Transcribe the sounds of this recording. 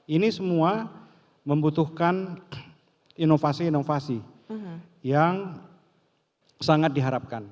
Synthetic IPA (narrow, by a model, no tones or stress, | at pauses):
inisəmua | məmbut̪uhkan | inofasiːnofasi | jaŋ | saŋat̪̚diɦaɾap̚kan